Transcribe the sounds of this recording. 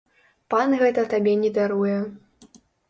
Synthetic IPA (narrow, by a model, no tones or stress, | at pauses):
panɣɛt̪ɐt̪abʲɛnʲɛd̪aɾujɛ